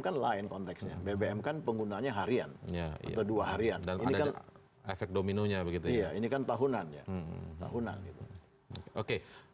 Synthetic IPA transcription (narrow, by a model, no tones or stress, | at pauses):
kanlaɪnkɔnt̪ɛksɲa̰bebeɛmkanpəŋɡunaɲaɦaɾia̰njaa̰t̪awduaɦaɾiandaninidkan | efɛk̚dominoɲabəɡit̪uijainikant̪aɦunanja̰t̪a̰ɦuna̰nɡit̪u | okeʔoke